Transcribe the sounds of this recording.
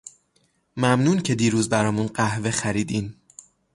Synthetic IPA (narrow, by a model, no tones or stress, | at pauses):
mæmnuːncʰe̞d̪iːɾuːzbæɾɒːmunɢæhve̞xæɾiːd̪im